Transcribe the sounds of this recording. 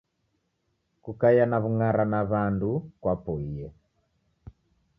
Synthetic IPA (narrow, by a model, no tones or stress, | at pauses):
kukajanaβuŋaɾanaβandukwapɔiɛ